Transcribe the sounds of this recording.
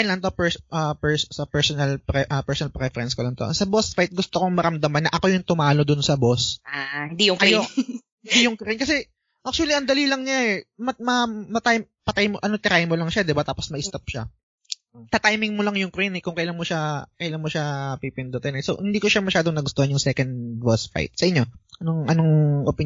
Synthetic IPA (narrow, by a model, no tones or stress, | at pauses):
ɛnlɐnt̪o̞pɛsʔɐpɛɹsɐpɛɹsonɐlpɾɛʔɐpɛɹsɔnɐlpɾɛfɛɾɛnskolɐnt̪o̰sɐbosfajt̪̚ɡʊst̪okoŋmɐɾɐmd̪ɐmanːɐʔɐko̞jʊŋt̪ʊmaːlo̞d̪ʊnsɐbosahɪnd̪ijʊŋkjohɪnd̪ijʊŋkɾɪnkɐsɛ | ʔak̚t͡ʃʊɐliɐŋd̪ɐlilɐŋɲaɛmɐmɐmɐt̪aj | pɐt̪ajmoʔɐnot̪ɪɾajmolɐŋʃad̪ɪbat̪aːposmɐʔɪst̪ɐp̚ʃa | t̪at̪ajmɪŋmolɐŋjʊŋkɾinɛkʊŋkɐjlanmoʃakɐjlanmoʃapipɪnd̪ot̪ɛnɛsohɪnd̪iːko̞ʃamɐʃaːd̪oŋnɐɡʊst̪ohɐnjʊŋsɛkɐnd̪bosfa̰jt̪̚sɐʔɪɲːo̞ʔɐnoŋʔɐnoŋʔopɪ